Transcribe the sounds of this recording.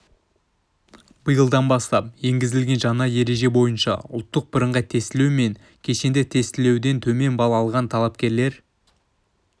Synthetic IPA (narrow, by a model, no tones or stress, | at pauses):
bəjəlˠd̪ɑnbɑst̪ɑp̚je̞ŋɡʲɪzɪlɡʲe̞nʒɑnɑje̞ɾe̞ʒe̞bo̞jənʃɑ̰ʊ̰lˠt̪ːəq̚bəɾəɴʁɑt̪ʰe̞st̪ɪlume̞ŋ | kʲʰe̞ʃe̞nd̪ɪt̪ʰe̞st̪ɪle̞wd̪e̞nt̪ʰɵme̞nbɑlˠɑlˠʁɑnt̪ʰɑlˠɑp̚kʲe̞ɾle̞ɾ